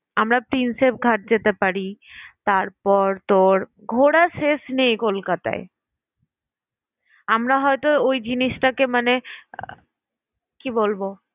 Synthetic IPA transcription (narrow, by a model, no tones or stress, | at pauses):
amɾapɾinsep̚ɡʱaʈ̚d͡ʑet̪epaɾit̪aɾpɔɾt̪oɾ | ɡʱoɽaʃeʃnejkolkat̪a̰e | amɾaɦɔet̪oojd͡ʑiniʃʈakemane | kibolbo